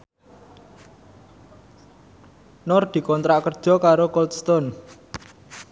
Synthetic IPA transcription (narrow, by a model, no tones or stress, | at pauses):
nɔrd̪̥i̤kɔnt̪ɾaʔkərd̥ʒ̥ɔ̤kaɾokɔlt̪st̪ɔn